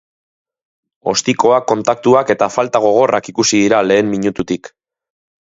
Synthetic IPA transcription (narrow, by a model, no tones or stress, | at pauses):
o̞̰st̪iko̞akːo̞nt̪ak̚t̪uake̞t̪afalt̪aɣ̞o̞ɣ̞o̞rakikusið̞iɾale̞ːmmiɲut̪ut̪ik